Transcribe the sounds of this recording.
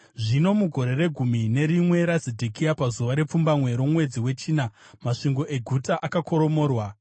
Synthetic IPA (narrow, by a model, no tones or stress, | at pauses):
ʐino̞muɡʱo̞ɾe̞re̞ɡʱumine̞ɾimwe̞ɾazedʱikiapazuʋaɾe̞p͡fumbamwe̞ɾomwe̞d͡ziwe̞t͡ʃiːna | maʂiŋɡo̞ʔe̞ɡʱutaʔakako̞ɾo̞mo̞ːrwa